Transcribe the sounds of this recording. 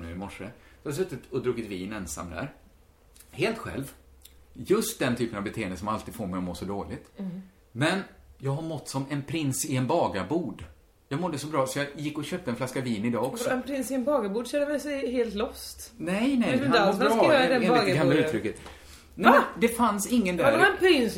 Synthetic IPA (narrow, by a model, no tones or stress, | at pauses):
nʉ̰ːɪmɔʂəshad̪sɵt̪ːɪt̪ɔd̪ɾuːɡɪt̪viːnɛnsa̰mːd̪æ̰ɾ | heːlt̪ɧɛ̰lv | jɵst̪̚d̪ɛnt̪ʰyːpənavbɛt̪ʰeːənd̪əsɔmalt̪iːd̪foːɾmɛjɔmoːsɔd̪oːlɪt̪ | mɛnjɑːɡɦaɾmɔt̪ːsɔmɛnpʰɾɪnsɪɛnbɑːɡabuːɖ | jɑːɡmɔd̪ːəsɔbɾɑːsɔjɑːjɪkːɔɕøːp̚t̪əɛnflaskaviːnɪd̪ɑːɔksɔɛnpʰɾɪnsɪɛnbɑːɡabuːɖsɛd̪əvɛsɛheːlt̪lɔst̪nɛjnɛjd̪ɛaaɛɡamlaʉ̟ːɾʏkːət̪ | nɛːd̪ɛfansɪŋːənd̪ædɾɛaɛnpʰɾɪns